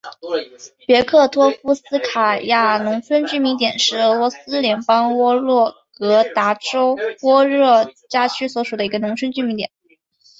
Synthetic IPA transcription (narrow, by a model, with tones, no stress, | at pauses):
pjɛ˧˥kʰɤ˥˩t̪ʰwɔ˥fu˥sɹ̩˥kʰa˨˩ja˥˩nʊ˧˥ŋt͡sʰwə˥nt͡ɕy˥˩mi˧˥ŋt̪̬jɛ˨˩nʂɻ̩˥˩ɤ˧˥lwɔ˧˥sɹ̩˥ljɛ˧˥npɑ˥ŋwɔ˥ɻwɔ˥˩kɤ˧˥t̪a˧˥ʈ͡ʂo˥ʊwɔ˥ɻɤ˥˩t͡ɕja˥t͡ɕʰy˥swɔ˧˥ʂu˨˩d̪ə˦i˧˥ɡə˧nʊ˧˥ŋt͡sʰwə˥nt͡ɕy˥˩mi˧˥ŋt̪jɛ̰˨˩˦n